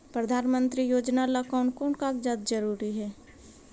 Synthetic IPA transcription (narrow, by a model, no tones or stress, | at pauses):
pɾəd̪ʱaːnmə̃nt̪ɾijoːd͡ʒnaləkaʊnkoːnkaːkd͡ʒaːd̪d͡ʒəɾuːɾiɦɛː